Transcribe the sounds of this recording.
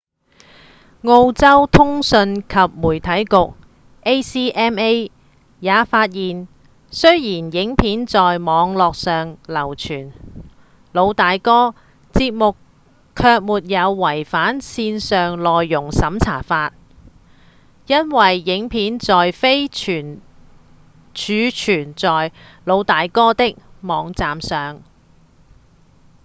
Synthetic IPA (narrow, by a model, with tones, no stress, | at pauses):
ŋo˧wt͡sɐ˥wt̪ʰʊ˥ŋsɵ˧nkʰɐ˨p̚muː˨˩jt̪ʰɐ˨˥jkʊ˨k̚ | ʔe˥jsiː˥ʔɛː˥me˥j | jaː˨˧faː˧t̚jiː˨n | sɵ˥ɥjiː˨˩njɪ˨˥ŋpʰiː˨˥nt͡sɔː˨jmɔː˨˧ŋlɔː˨k̚sœː˨ŋlɐ˨˩wt͡ʃʰyː˨˩n | lo˨˧wt̪aː˨jkɔː˥ | t͡siː˧p̚mʊ˨kʰː | œː˧k̚muː˨t̚jɐ˨˧wːɐ˨˩jfaː˨˥nsiː˧nsœː˨ŋlɔː˨jːʊ˨˩ŋsɐ˨˥mt͡sʰa̰ː˨˩faː˧t̚ | jɐ˥nwɐ˨˩jːɪ˨˥ŋpʰiː˨˥nt͡sɔː˨jfe˥jt͡ʃʰyː˨˩n | t͡ʃʰyː˨˧t͡ʃʰyː˨˩nt͡sɔː˨jlo˨˧wt̪aː˨˧jkɔː˥t̪ɪ˥k̚mɔː˨˧ŋt͡saː˨msœː˨ŋ